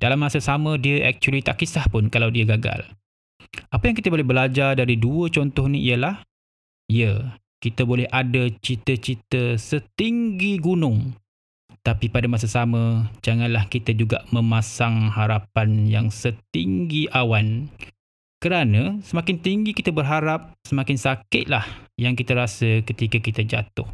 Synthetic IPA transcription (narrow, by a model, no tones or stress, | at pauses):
d̥alamːasasamə̃diəʔak̚t͡ʃuəlit̪aʔkisahpʊnkalawdiəɡaɡa̰l | ʔapəjaŋkit̪əbolɛhbəlad͡ʒardaɾiduət͡ʃɔnt̪ɔhniʔḭjəlah | ijə | kit̪əbolɛhʔadat͡ʃit̪ət͡ʃit̪əsət̪iŋɡiɡunʊŋ | t̪apipadamas̬asamə̃d͡ʒaŋanlahkit̪ad͡ʒuɡaʔmə̃mãsaŋhaɾapanjaŋsət̪iŋɡiʔawan | kəɾanəsəmakɪnt̪iŋɡikit̪abərɦaɾap̚səmakɪnsakɪʔ̪̚lahjaŋkit̪əɾasəkət̪ikakit̪ad͡ʒa̰t̪ʊh